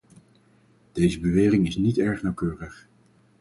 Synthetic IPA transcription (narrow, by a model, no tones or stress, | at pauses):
d̥ejzəbəʋeːrɪŋɪsnitɛɹχnɑwkøːrəχ